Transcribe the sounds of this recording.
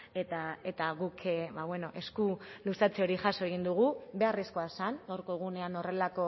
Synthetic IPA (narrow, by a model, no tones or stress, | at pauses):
e̞t̪ae̞t̪aɣukβaβwe̞no̞ʔe̞skulusat͡seo̞ɾiʝaso̞e̞ɣ̞ind̪uɣ̞ube̞arisko̞asanawɾko̞ɣ̞une̞ano̞re̞lako̞